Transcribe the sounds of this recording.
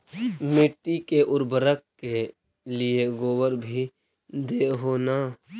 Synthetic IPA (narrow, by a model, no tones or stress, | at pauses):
mɪʈːikeʔʊɾbəɾəkke | lijeɡoːwəɾbʱi | d̪eɦoːna